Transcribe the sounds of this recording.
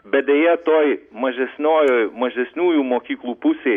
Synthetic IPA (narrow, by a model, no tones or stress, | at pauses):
bʲɛd̪ʲɛjɛt̪oːjmɐʒʲɛsʲnʲoːjojmɐʒʲɛsʲnʲuːjumoːkʲiːklˠuːpʊsʲe